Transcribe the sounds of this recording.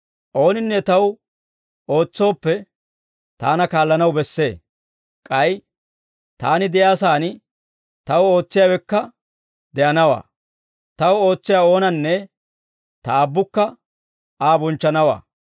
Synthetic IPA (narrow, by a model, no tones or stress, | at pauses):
ʔo̞ːnɪnːɛt̪ɐw | o̞ːt͡sːo̞ːpːɛ | t̪aːnɐkaːlːɐnɐwbɛsːe̞ː | kʼɐj | t̪aːnɪd̪ɪjaːsaːnɪ | t̪ɐwo̞ːt͡sːɪjaːwɛkːɐ | d̪ɛʔɐnɐwa̰ː | t̪ɐwo̞ːt͡sːɪjaːo̞ːnɐnːɛ | t̪ɐabːʊkːɐ | aːbɔnt͡ʃːɐnɐwa̰ː